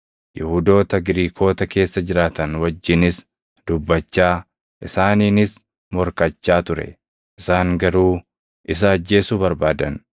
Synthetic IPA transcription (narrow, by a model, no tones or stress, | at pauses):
jɪhʊd̪o̞ːt̪ɐɡɪɾiːkʰo̞ːt̪ɐke̞ːsːɐd͡ʒɪɾaːt̪ɐnwɐd͡ʒːɪnɪs | d̪̥ʊbːɐt͡ʃːaː | ʔɪsaːniːnɪs | mɔɾkɐt͡ʃːaːt̪ʊɾɛ̰ | ʔɪsaːŋɡɐɾuː | ʔɪs̬ɐːd͡ʒːe̞ːsuːbɐɾbaːd̪ɐn